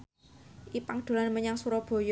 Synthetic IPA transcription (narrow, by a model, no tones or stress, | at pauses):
ʔipaŋd̪̥o̤lanməɲaŋsuɾɔb̥o̤j